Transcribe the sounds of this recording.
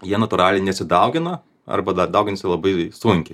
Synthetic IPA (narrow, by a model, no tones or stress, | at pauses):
jiɛnɐt̪ʊɾɑːlʲɛɪnʲɛsʲɪd̪ɐʊɡʲɪnɐ | ɐ̰rbɐd̪ɐd̪ɐʊɡʲɪnʲsʲɪlˠɐbɐɪsʊŋʲkʲɪ